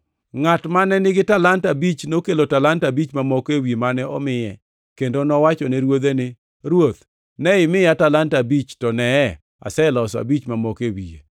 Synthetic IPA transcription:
ŋatmanɛnɪɡɪtalantabit͡ʃnokelotalantabit͡ʃmamɔkewiemanɛʔɔ̰mɪjɛ | kendonɔwat͡ʃɔnɛɾwod̪enɪ | ɾwot̪ | nɛɪmɪjatalantabit͡ʃtɔnɛɛ | a̰sɛlɔsa̰bit͡ʃmamɔkewḭḛ

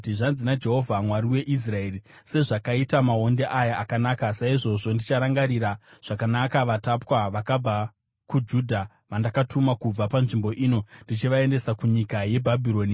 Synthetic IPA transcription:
tiʐanzinad͡ʒe̞ɦo̞vʱamwaɾiwe̞ʔis̬rae̞ːri | se̞ʐakaitamao̞nde̞ʔajaːkanaːkasaiʐo̞ʐo̞ndit͡ʃaɾaŋɡaɾiɾaʐ̥akanakaʋatapwaʋakab͡va | kud͡ʒuːdʱa | ʋandakatumakub͡vapanʐimbo̞ʔiːno̞ndit͡ʃiʋae̞nde̞sakuɲikaje̞bʱabʱiɾo̞ːni

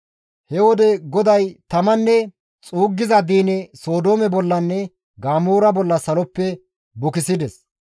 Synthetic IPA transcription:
hɛwɔd̪ɛɡɔd̪ɐjt̪ɐmɐnːɛ | t͡sʼuːɡːɪzɐd̪iːnɛso̞ːd̪oːmɛbɔlːɐnːɛ | ɡaːmoːɾɐbɔlːɐsɐlɔpːɛ | bʊkɪsɪd̪ɛs

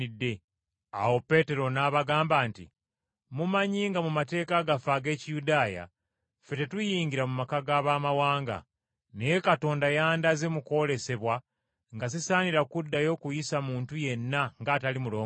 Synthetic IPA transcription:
idːe̞ | a̰wo̞pe̞te̞ɾo̞naːβaɡaːmbaːntḭ | mumaɲiːŋɡamumate̞ːkaɡafaːɡe̞ːcijudaːja̰ | fe̞te̞tujiːɲɟiɾamumakaɡaːβaːmawaːŋɡa̰ | neje̞kato̞ːndajaːndaze̞muko̞le̞se̞βwa | ŋɡazisaːniɾakudːajo̞ːkujisamuːntuje̞nːaŋɡaːtalimulo̞ː

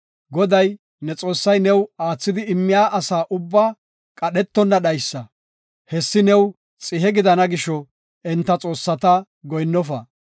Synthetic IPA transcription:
ɡɔd̪ɐj | nɛt͡sʼo̞ːsːɐjnɛwaːt͡sːɪd̪ɪɪmːɪjaːʔɐsaːʔʊbːaː | kʼɐɗɛt̪ːɔnːɐɗɐjsːɐ | hɛsːɪnɛw | t͡sʼɪɦɛɡɪd̪ɐnɐɡɪʃɔ | ɛnt̪ːɐt͡sʼo̞ːsːɐt̪ɐ | ɡɔjnːɔfɐ̰

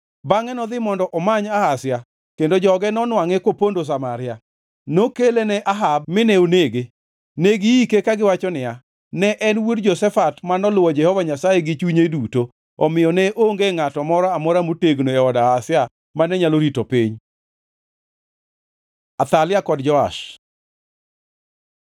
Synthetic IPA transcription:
baŋɛnɔd̪ɪmɔndɔʔɔmaɲahasɪa | kendod͡ʒɔɡɛnɔnwaŋɛkwopondos̬amaɾɪja | nokelenɛʔaɦabmɪnɛoneɡe | neɡiikekaɡɪwat͡ʃɔnɪa | nɛʔɛnwudd͡ʒɔsɛfatmanɔlʊwɔd͡ʒɛhɔvaɲasajeɡɪt͡ʃuɲeduto | ɔmɪjɔnɛʔoŋɡeŋatɔmɔɾɔamɔɾamoteɡnoɛɔdaːsɪa | manɛɲaloɾitopiɲ | at̪alɪakɔdd͡ʒɔa̰ʃ

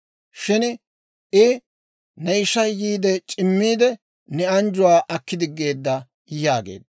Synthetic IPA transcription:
ʃɪn | ɪ | nɛjɪʃɐjːiːd̪ɛt͡ʃʼɪmːiːd̪ɛ | nɛɐnd͡ʒʊwaːʔɐkːɪd̪ɪɡːe̞ːd̪ːɐ | jaːɡḛːd̪

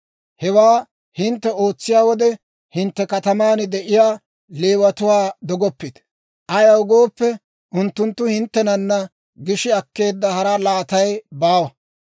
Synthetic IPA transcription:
hɛwaː | hɪnt̪ːɛo̞ːt͡sːɪjaːwɔd̪ɛ | hɪnt̪ːɛkɐt̪ɐmaːnɪd̪ɛʔɪjaː | leːwɐt̪ʊwaːd̪ɔɡɔpːɪd̪ | ʔɐjɐwʊɡoːpːɛ | ʔʊnt̪ːʊnt̪ːʊhɪnt̪ːɛnɐnːɐ | ɡɪʃɪɐkːe̞ːd̪ːɐhɐɾɐlaːt̪ɐjbaːwɐ

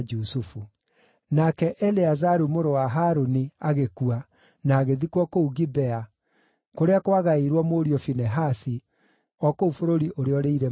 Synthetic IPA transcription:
d͡ʒusufu | nakɛʔɛleazaɾumoɾowaɦaːɾoniaɣekua | naːɣeðikwɔkouɣibɛa | koɾeakwaɣaiɾwɔmoɾiɔfinɛɦasi | ɔkoufoɾoɾiʔoɾeɔɾeiɾɛ

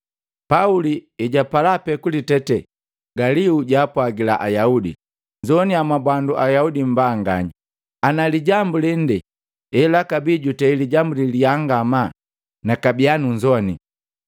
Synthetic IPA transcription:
pauliɛɟapalapɛkulitɛtɛ | ɡaliuɟaːpwaɡilaʔajaudḭ | ɲd͡ʒɔniamabwanduʔajaudim̩baːŋɡaɲa | analiɟambulin̩dɛ | ɛlakabiːɟutɛiliɟambuliliaŋɡama | nakabianuɲd͡ʒɔni

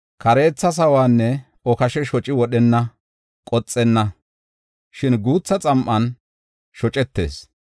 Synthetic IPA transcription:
kɐɾe̞ːt͡sːɐs̬ɐwaːnːɛ | ɔkɐʃɛʃɔt͡ʃʼːɪwɔɗɛnːɐ | kʼɔt͡sʼːɛnːɐ | ʃɪnɡuːt͡sːɐt͡sʼɐmʔɐn | ʃɔt͡ʃʼɛt̪ːe̞̰ːs

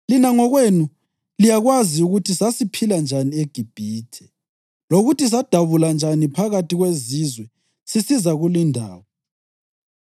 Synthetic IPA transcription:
linaŋɔɣwenu | lijaɣwaziuɣutʰisasipʰiland͡ʒʱanieɡ̥ʱib̥ʱiːtʰɛ̥ | loɣutʰis̬ad̥ʱaβuland͡ʒʱanipʰaɣatiɣwezizwɛ | sisizaɣulindʱa̰ːwɔ

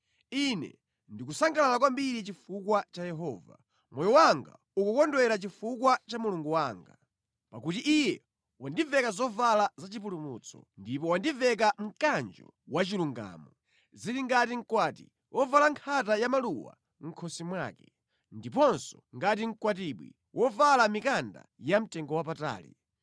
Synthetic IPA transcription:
inɛ̰ | ndik̬usaŋɡalalak̬wambiɾit͡ʃifukwat͡ʃajɛɦɔːva̰ | mʔɔjɔwaŋɡa̰ | ukukɔndɔɛɾat͡ʃifukwat͡ʃamuluŋɡuwaːŋɡa | pakutiʔijɛ | wandivɛkazɔvalazat͡ʃip̬ulumṵːt͡sʰɔ̰ndipɔwandivɛk̬aŋ̩kand͡ʒɔ̰ | wat͡ʃiluŋɡa̰ːmɔ | ziɾiŋɡatiŋ̩kwaːtḭ | wʔɔvalaŋkʰatajamaluwa̰ | ŋ̩kʰɔsimwa̰ːkɛ | ndipɔnsɔŋɡat̬iŋ̩kwat̬iɓwḭ | wʔɔvalamikanda̰jam̩tɛŋɡɔwapata̰ːlḭ

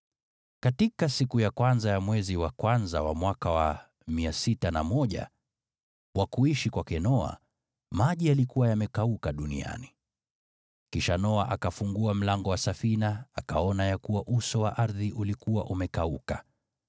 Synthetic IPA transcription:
katikasikujakwanzajamwɛziwakwanzawa̰mwakawa | miasitanamɔʄa̰ | wakuiʃikwakɛnɔa̰ | maʄialikuwajamɛkaukaɗunḭa̰ni | kiʃanɔaʔakafuŋɡuam̩laŋɡɔwasafinaakaɔnajakuwaʔusɔwaʔaɾðiʔulikuwaʔumɛkauka

